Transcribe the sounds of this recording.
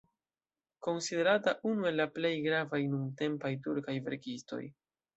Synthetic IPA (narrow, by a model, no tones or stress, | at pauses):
ko̞nside̞ɾataʔunue̞lːaple̞jɡɾavajnumte̞mpajtuɾkajve̞̰ɾkisto̞̰j